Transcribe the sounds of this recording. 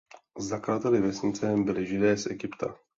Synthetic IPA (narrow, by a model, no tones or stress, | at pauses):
zaklaːt̪ɛlɪvɛsɲɪt͡sɛmbɪlɪʒɪdɛːsʔɛɡɪpt̪ʰa̰